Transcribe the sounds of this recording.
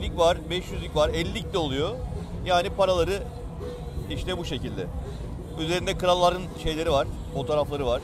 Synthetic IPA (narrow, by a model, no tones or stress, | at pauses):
ylʲicvaɾ̥bɛʃjyzlʲycʲvaɾɛlʲːiclʲɛo̞lˠujo̞jaːnipaɾalˠaɾɯ | iʃt̪ɛbuʃe̞cilʲd̪ɛ̰ | yze̞ɾind̪ɛkɯɾalˠːaɾɯnʃe̞jlʲe̞ɾivaɾ̥ | fo̞t̪ʰoːɾaflˠaɾɯvaɾ̥